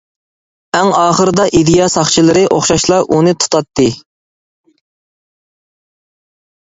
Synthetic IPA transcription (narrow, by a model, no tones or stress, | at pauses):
ɛŋɑːχəɾɨd̪ɑʔid̪ɪjɑsɑχt͡ʃʰilˠɨɾɨʔoχʃɑʃlˠɑʔunɨt̪ʰu̥t̪ʰɑt̪ʰːɨ